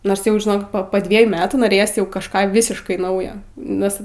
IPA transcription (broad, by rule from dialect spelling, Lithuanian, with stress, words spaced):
noːrs ˈjɛʊ ʒʲɪˈnoːk poː ˈdʲʋʲiɛjuː ˈmʲæːtuː noːˈrʲeːjoːs jɛʊ kɐʃˈkɑː ˈʋʲɪsʲɪʃkɐɪ ˈnɐʊjoː ˈnʲɛs